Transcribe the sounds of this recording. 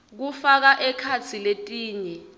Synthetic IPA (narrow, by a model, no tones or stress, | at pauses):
k̬ufak̬aʔɛkʰat͡sʰiletʼiːɲɛ